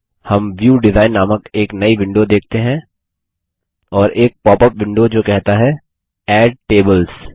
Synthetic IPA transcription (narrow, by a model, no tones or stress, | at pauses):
hɐmʋjuːɖɪzaːɪnːaːməkeːknɐiʋɪ̃ɳɖod̪eːk̚ʰt̪eɦɛ̃ | ɔːɾʔeːk̚pɔːpəp̚ʋɪ̃ɳɖod͡ʒoːkɛɦt̪aɦɛ | ɛːɖ̚ʈeːbəlz